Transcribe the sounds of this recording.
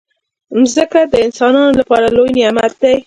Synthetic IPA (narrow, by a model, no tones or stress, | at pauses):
zəkad̪əɪnsɑnɑnolapɑɾalojniamat̪̚d̪aj